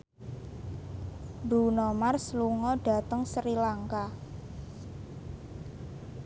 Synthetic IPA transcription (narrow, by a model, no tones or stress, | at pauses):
bɾunɔmarsluŋɔɖ̥a̤t̪əŋsɾilaŋka